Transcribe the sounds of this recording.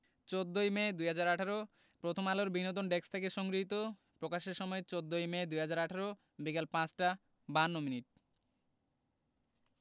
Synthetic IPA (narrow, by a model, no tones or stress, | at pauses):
t͡ɕod̪ːojmed̪ujɦad͡ʑaɾaʈʰaɾo | pɾot̪ʰomaloɾbinot̪̬onɖekst̪ʰekeʃɔŋɡɾiɦit̪̬o | pɾokaʃeɾʃɔmɔet͡ɕod̪ːojmed̪ujɦad͡ʑaɾaʈʰaɾo | bikalpãt͡ɕʈa | banːominiʈ̚